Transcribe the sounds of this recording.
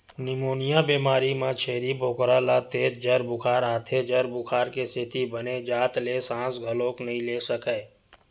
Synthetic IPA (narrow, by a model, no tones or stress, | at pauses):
nɪmoːnɪjabeːmaːɾimãt͡ʃʰeːɾibʱoːkɾalat̪eːd͡ʒd͡ʒəɾbʊkʰaːɾaːt̪ʰed͡ʒəɾbʊkʰaːɾkesʰɪt̪ibəned͡ʒaːt̪leːsãːsɡʱəloːknɐɦĩleːsəkəː